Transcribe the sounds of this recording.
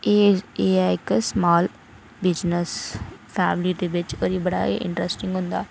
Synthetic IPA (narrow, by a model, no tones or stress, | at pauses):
eeːɛɪksmaːl | bɪd͡ʒnəspʰɛːmliːd̪eːʋɪt͡ʃoɾiːbəɽaːḛʔɪ̰̃ɳʈɾɛsʈɪ̃ŋɡɦʊ̃nd̪aː